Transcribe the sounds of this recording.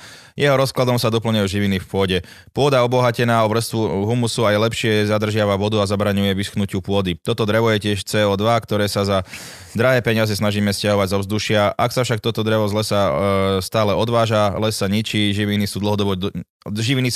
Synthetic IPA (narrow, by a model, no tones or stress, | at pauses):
jɛɦɔɾɔsklad̪ɔmsad̪ɔpl̩ɲɛuʒiʋinifpʊɔɟɛ | pʊɔd̪aɔbɔɦacɛnaːɔʋɾr̩st̪ʋuɦumusuajɛlɛpʃɪɛzad̪r̩ʒɪaʋaʋɔd̪uazabɾaɲujɛʋisxnucɪupʊɔd̪it̪ɔt̪ɔd̪ɾɛʋɔjɛcɪɛʃt͡sɛːɔd̪ʋakt̪ɔɾɛːsaza | d̪ɾaɦɛːpɛɲɪazɛsnaʒiːmɛscaɦɔʋaɟzɔbzd̪uʃɪaʔaksafʃak̚t̪ɔt̪ɔd̪ɾɛʋɔzlɛsast̪aːlɛɔd̪ʋaːʒalɛsːaɲit͡ʃiːʒiʋinisuːd̪l̩ɦɔd̪ɔbɔ | ʒiʋini